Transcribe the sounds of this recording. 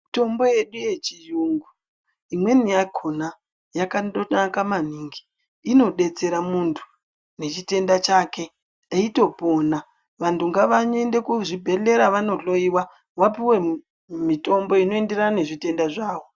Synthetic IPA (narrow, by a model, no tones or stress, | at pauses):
mito̞mbo̞je̞ɗuje̞t͡ʃijuːŋɡu | imwe̞nijaɡʱona | jakaɗnakamaniːŋɡi̥ː | no̞ɗe̞t͡se̞ɾamuntʰu̥ | ne̞t͡ʃite̞ndat͡ʃaːke̞ | eito̞po̞ːna | ʋantʰuŋɡaʋaɲe̞nde̞kuʐibʱe̞ɬe̞ɾaʋano̞ɬo̞iwa | ʋapiwe̞ | mito̞mbo̞ino̞ende̞ɾanane̞ʐite̞ndaʐaːʋo̞